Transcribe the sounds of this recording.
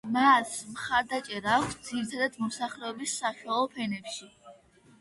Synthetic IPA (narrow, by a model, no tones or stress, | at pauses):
masmχaɾd̪at͡ʃʼɛɾaːkʰsd̪ziɾit̪ʰad̪ad̪̥mɔsaχlɛɔbisːaʃwalˠɔpʰɛnɛpʃi